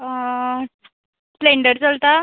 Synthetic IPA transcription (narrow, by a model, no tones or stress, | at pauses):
ʈleɳɖəɾt͡salt̪a